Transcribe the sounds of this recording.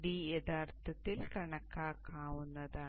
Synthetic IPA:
ɖiːɛd̪aːɾt̪ʰɐt̪ːilkɐɳɐkːaːkaːʋunːɐd̪aː

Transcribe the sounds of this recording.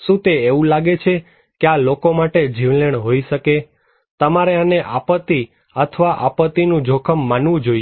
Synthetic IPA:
ʃũt̪eeʋũlaɡet͡ʃʰe | kealokomaʈed͡ʒiʋleɳ̃ɦoiʃəke | t̪əmaɾeəneʔapət̪ːi | ət̪ʰəʋaʔapət̪inũd͡ʒʱokʰəmːanʋũd͡ʒoi

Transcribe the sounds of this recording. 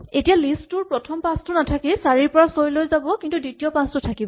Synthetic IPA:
etijalistʊɹpɹɔtʰɔmpastʊnatʰakisaɹiɹpɔɹasojlojzabɔkintuditijɔpastʊtʰakibɔ

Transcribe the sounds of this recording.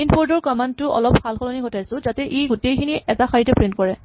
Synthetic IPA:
inpɔɹdɔɹkɔmandtʊʔɔ̰lɔpxalxɔlɔniɡɔtʰajsʊ̃zatɛʔejɡutejkʰiniʔɛtaxaɹitɛpɹen̚kɔɹɛ

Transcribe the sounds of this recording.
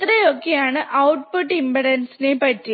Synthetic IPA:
t̪ɾɐjokːejaːɳɨʔɐwʈpuʈːimbɐɽɐnsinepɐtːi

